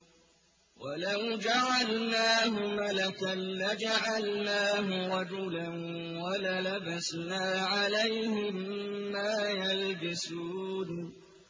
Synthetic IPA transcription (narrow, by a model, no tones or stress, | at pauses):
wʔalawd͡ʒaʕalnaːɦʊmalakaːad͡ʒaʕalnaːɦʊɾˤɑd͡ʒʊlan | walalabasnaːʕalajhɪmːaːjalbɪsuːn